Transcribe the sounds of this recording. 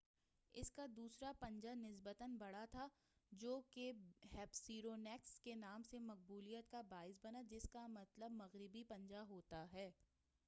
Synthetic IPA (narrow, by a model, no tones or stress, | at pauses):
ɪ̰skad̪uːsɾapɐ̃ɲd͡ʒanɪs̬bət̪ənbɐɽat̪ʰa | d͡ʒoːkeɦɛːpsiːɾoːnɛːkskenaːmsemɐq̚buːlijət̪kabaːɪs̬bɐnad͡ʒɪskamɐt̪ləbmɐɣɾɪbipɐ̃ɲd͡ʒaɦoːt̪aɦɛː